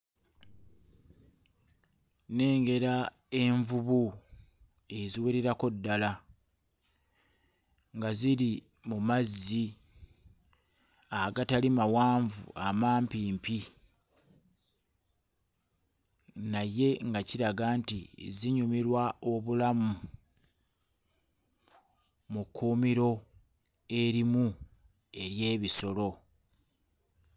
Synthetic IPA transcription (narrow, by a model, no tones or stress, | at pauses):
ne̞ːŋɡe̞ɾa | e̞ɱvuβu | e̞ziweɾeɾako̞dːala | ŋɡazili | mumazːi | aɡatalimawaːɱvṵamaːmpiːmpi | naje̞ŋɡaciɾaɡantḭziɲumiɾwao̞βulamu | mukːuːmiɾo̞ | e̞ɾimu | e̞ɾje̞ːβiso̞lo̞